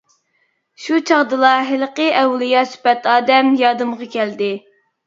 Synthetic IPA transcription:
ʃut͡ʃʰɑʁd̪ɨlˠɑɦɪlqəʔɛwlˠijɑsy̥pɛt̪ɑːd̪ɛmjɑːd̪ɨmʁɑkʲʰɛld̪ɪ

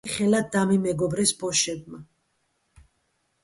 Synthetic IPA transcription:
χɛlad̪ːamimɛɡɔbɾɛsbɔʃɛb̚ma

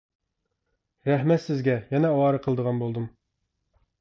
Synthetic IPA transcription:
ɾæhmɛt̪sɪzɡʲɛjɛnɛɑwɑɾəqʰəlˠd̪əʁɑnbolˠd̪ɨm

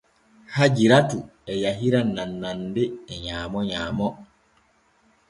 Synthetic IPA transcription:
had͡ʒiɾatuɛjaɦiɾanːanːandɛɛɲaːmɔɲaːmɔ

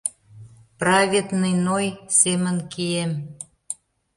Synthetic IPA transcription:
prɑvʲet̪nijnojsemənkiem

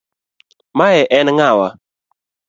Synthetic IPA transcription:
maɛʔɛnŋawa

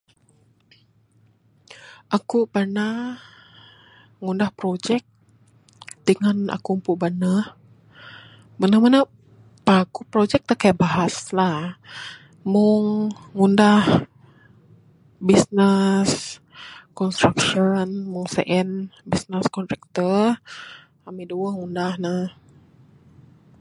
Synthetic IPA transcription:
ʔakubana | ŋundahpɾod͡ʒɛk̚ | d̥əŋana̰kumpubana | manahmanə | pakupɾod͡ʒɛk̚t̪akajaʔbaɦaslah | mʊŋːundah | bisnəs | kɔnst̪ɾakʃɔnmʊŋsḛʔɛnbisnəskɔnt̪ɾɛk̚t̪ər | amiduəhŋundahnə

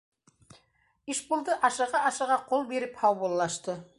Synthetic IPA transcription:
iʃbulˠd̪ɤʔɑʃɤ̆ʁɑʔɑʃɤ̆ʁɑqolˠbeɾɘphɑwβulˠːɑʃt̪ɤ

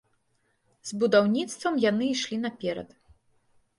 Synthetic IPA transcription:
zbud̪awnʲit̪st̪vɐmjanɨiʂlʲinɐpʲɛɾɐ̰t̪

